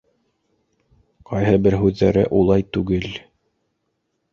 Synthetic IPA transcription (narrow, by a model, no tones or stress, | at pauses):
qʰɑjɦɤbɘɾɦʉðːæɾɘʔulˠɑjt̪ʉɡɘl